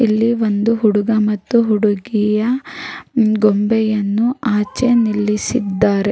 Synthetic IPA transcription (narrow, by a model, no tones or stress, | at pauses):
ilːiʋo̞nd̪uɦuɽuɡɐmɐt̪ːuɦuɽuɡijɐ | ɡombɛjɐnːuaːt͡ʃenilːisid̪ːaːɾe̞